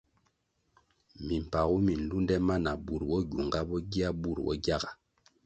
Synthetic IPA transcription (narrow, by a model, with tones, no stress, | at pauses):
mi˨m̩˨pa˨ɣu˦mi˨n̩˨lu˦ndɛ˦ma˦na˨bu˨ɾwɔ˦ɟu˨ŋɡa˦bɔ˦ɡi˦a˦bu˦˨ɾwɔ̰˦ɡja˦ɡa˨